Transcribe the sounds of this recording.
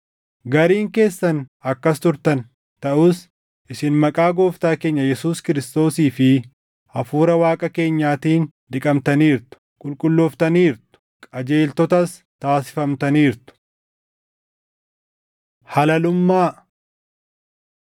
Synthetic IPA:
ɡɐɾiːŋke̞ːsːɐnɐkːɐst̪ʊɾt̪ɐn | t̪ɐʔuːs | ʔɪsɪnmɐkʼaːɡo̞ːft̪aːke̞ːɲːɐjɛsuːskɪɾɪst̪o̞ːsiːfɪ | ʔɐfuːɾɐwaːkʼɐke̞ːɲːaːt̪iːn | d̪ɪkʼɐmt̪ɐniːɾt̪ʊ̥kʼʊlkʼʊlːoːft̪ɐniːɾt̪ʊ̥ | kʼɐd͡ʒe̞ːlt̪ɔt̪ɐs | t̪aːsɪ̥fɐmt̪ɐniːɾt̪ʊ̥ | hɐlɐlʊmːaː

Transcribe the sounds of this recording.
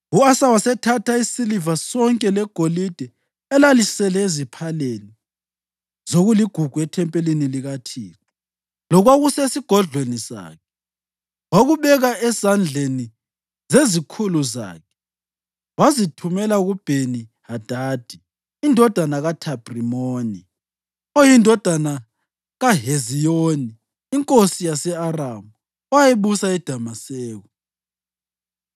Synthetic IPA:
uasawasɛtʰatʰaisilivasɔŋkʼɛlɛɡ̥ʱolid̥ʱɛ | ɛlalisɛlɛezipʰaleni | z̥oɣuliɡ̥ʱuɡ̥ʱuɛtʰɛmpʼeliniliɣatʰiːrɔ | lɔɣwaɣusesiɡ̥ʱɔɮwenisa̰ːkʰɛ | waɣuβɛɣaɛzand͡ɮʱeni | zezikʰuluza̰ːkʰɛ̥ | wazitʰumɛlaɣub̥ʱenihad̥ʱaːd̥ʱi | indʱɔd̥ʱanaɣatʰab̥rimoːni | ojindʱɔd̥ʱana | ɣaɦezijoniː | ŋkʼosijasɛaramu | wajeβusaɛd̥ʱamasɛːɣɔ

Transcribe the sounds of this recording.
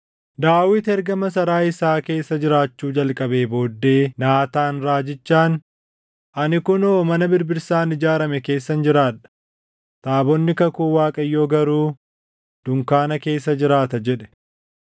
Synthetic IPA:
d̪aːwɪt̪ɛɾɡɐmɐsɐɾaːɪsaːke̞ːsːɐd͡ʒɪɾaːt͡ʃːuːd͡ʒɐlkʼɐbe̞ːbo̞ːd̪ːe̞ːnaːt̪aːnɾaːd͡ʒɪt͡ʃːaːn | ʔɐnɪkʊnoːmɐnɐbɪɾbɪɾsaːnɪd͡ʒaːɾɐmɛke̞ːsːɐnd͡ʒɪɾaːᶑɐ̥ | t̪ʼaːbɔnːɪkɐkuːwaːkʼɐjːo̞ːɡɐɾuː | d̪̥ʊŋkaːnɐke̞ːsːɐd͡ʒɪɾaːt̪ɐd͡ʒɛᶑɛ̥

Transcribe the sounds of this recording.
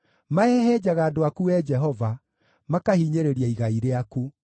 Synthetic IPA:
maɛɦɛd͡ʒaɣaːdoakuɛd͡ʒɛɦɔva | makahiːɲeɾeɾiaiɣaiɾeaku

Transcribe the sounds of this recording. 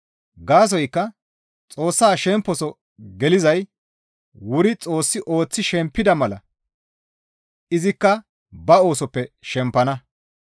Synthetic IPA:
ɡaːs̬ɔjkːɐ | t͡sʼo̞ːsːaːʃɛmpːɔsɔ | ɡɛlɪzɐj | wʊɾɪt͡sʼo̞ːsːɪʔo̞ːt͡sːɪʃɛmpːɪd̪ɐmɐlɐ̰ | ɪzɪkːɐ | bɐo̞ːsɔpːɛʃɛmpːɐnɐ

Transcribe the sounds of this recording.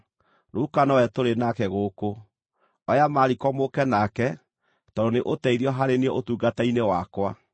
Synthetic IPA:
noukanɔɛtoɾenakɛɣoko | ɔjamaɾikɔmokɛnakɛ | tɔdoneʔotɛiɾiɔɦaɾeneɔʔotuːɡatainewakwa

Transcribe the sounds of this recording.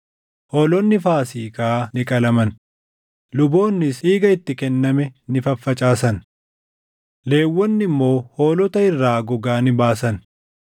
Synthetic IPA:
hoːlɔnːɪfaːsiːkʼanɪkʼɐlɐmɐn | lʊbo̞ːnːɪsiːɡɐɪt̪ːɪkɛnːɐmɛnɪfɐfːɐt͡ʃʼaːsɐn | le̞ːwːɔnːɪmːo̞ːhoːlɔt̪ɐɪrːaːɡɔɡaːnɪbaːsɐn

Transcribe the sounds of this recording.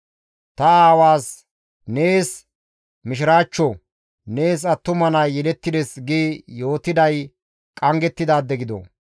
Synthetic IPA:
t̪ɐaːwaːs | neːs | mɪʃ̬ɪɾaːt͡ʃːɔ | neːs̬ɐt̪ːʊmɐnɐjːɛlɛt̪ːɪd̪ɛsɡiːjo̞ːt̪ːɪd̪ɐj | kʼɐŋɡɛt̪ːɪd̪aːd̪ːɛɡɪd̪ɔ̰

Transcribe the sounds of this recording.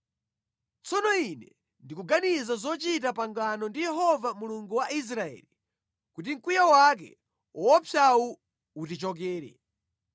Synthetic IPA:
t͡sɔnɔinɛ | ndikuɡanizazɔt͡ʃit̬apaŋɡanɔndijɛɦɔvamuluŋɡuwaʔis̬ɾaɛ̰li | kutiŋ̩kujawak̬ɛ̰ | ɔwɔpʰjau | utit͡ʃɔk̬ɛːɾɛ̰

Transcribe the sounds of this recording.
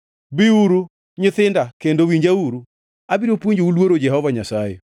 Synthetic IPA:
bɪuɾu | ɲɪθɪndakendowiɲd͡ʒauɾu | abiɾopwoɲd͡ʒoulwoɾod͡ʒɛɦɔvaɲasajɛ̰

